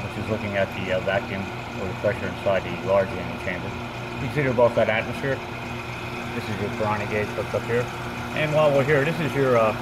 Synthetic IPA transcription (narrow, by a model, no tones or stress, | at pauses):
ʃizlʊkɪ̃ŋɨt̪̚ðɨʌvækjɨ̃m | ə˞ðəpʰɹ̥ɛʃə˞ɨ̃nsaɪd̪̚ðɨlɑɹd͡ʒlɪ̃nɪ̃ŋt͡ʃʰẽɪ̃mbə˞ | kʰɨ̃nsɪɾə˞boʊθðɨɾæt̚mɨsfɪɹ | ðɪsɨzjə˞pʰə˞ɑ̃nɨɡeɪzb̥ʊk̚ʌp̚hiɹ | ʔɨ̃nwalˠwəlˠɦiɹðɪsɨzjə˞ʌ